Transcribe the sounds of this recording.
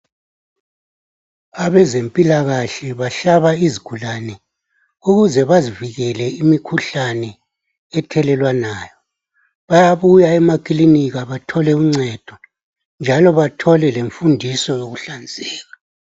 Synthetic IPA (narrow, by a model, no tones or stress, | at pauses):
aβɛzempʼilaɣaɬɛβaɬaβaiziɡ̥ʱulanɛ | uɣuzɛβaziviɣɛlɛimikʰuɬanɛ | ɛtʰɛlɛlwanaːjɔ | βajaβujaɛmakʼiliniɣaβatʰɔlɛuŋ͡ǀɛd̥ʱɔ | nd͡ʒʱalɔβatʰɔlɛleɱfundʱisɔjoɣuɬand͡zʱɛːɣa